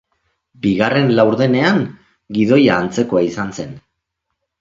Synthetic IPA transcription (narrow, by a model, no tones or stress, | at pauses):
biɣare̞nlawɾðe̞ne̞aŋ | ɡið̞o̞jaːnt͡se̞ko̞aisanse̞n